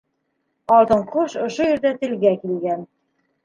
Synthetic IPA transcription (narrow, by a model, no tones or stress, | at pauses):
ɑlˠt̪ɤɴquʃŏʃojɘ̆ɾd̪æt̪ɘ̆lɡækilɡæn